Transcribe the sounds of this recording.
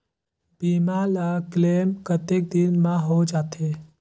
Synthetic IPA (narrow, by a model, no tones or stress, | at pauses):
b̥iːmalakleːmkət̪ek̚d̪ɪnmãɦod͡ʒaːt̪ʰe